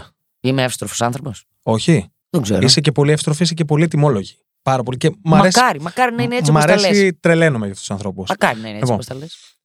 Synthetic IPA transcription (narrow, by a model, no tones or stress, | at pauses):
imeɐfi̥st̪ɾofo̥sɐnθɾopos | o̞çi | ðeɡzeɾisece̞po̞liɐfst̪ɾo̞fisecepo̞liet̪imo̞lo̞ʝi̥ | pɐɾɐpo̞licemɐmɐɾeskɐɾimɐkɐɾinɐineet͡simɐɾeseit̪ɾe̞le̞nomeʝɐfut̪usɐnθɾo̞pusmɐkɐɾinɐineipioposɐles